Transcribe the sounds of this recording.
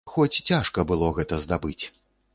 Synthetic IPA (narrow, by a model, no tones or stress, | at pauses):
xɔt͡sʲt͡sʲaʂkɐbɨlˠɔɣɛt̪ɐzd̪abɨt͡sʲ